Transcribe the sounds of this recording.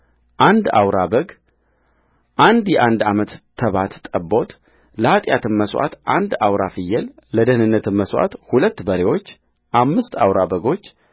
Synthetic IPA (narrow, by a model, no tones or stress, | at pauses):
ʔand̪awɾabəɡ | ʔand̪jɛʔand̪amət̪ːʰəβat̪t̪ʼəbo̞t̪ | ləhat̪ʼjat̪ɨnməswʔa̰t̪ʔand̪awɾafɨjːɛlləd̪əhnɨnːət̪ʰɨnməswa̰t̪hulət̪ːbəɾewo̞t͡ʃː | ʔamːɨst̪a̰wɾabəɡo̞t͡ʃː